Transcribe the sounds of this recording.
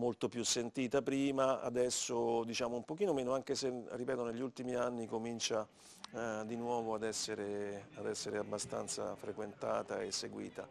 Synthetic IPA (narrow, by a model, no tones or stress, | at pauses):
molt̪opjusːent̪iːt̪apɾiːmaa̰d̪ɛsːod̪it͡ʃaːmoumpokiːnomeːnoaŋkeseripɛːt̪oneʎːult̪imianːikomint͡ʃa | d̪inwɔːvoad̪ɛsːeɾead̪ɛsːeɾeabːast̪a̰nt̪sa̰fɾekwent̪aːt̪a̰esːeɡwḭːt̪a̰